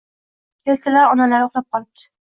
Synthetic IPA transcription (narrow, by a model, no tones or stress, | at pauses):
kʲʰelt̪ʰɪlaɾɒnalaɾoχlˠap̚qʰɒlˠɪp̚d̪̥ɪ̥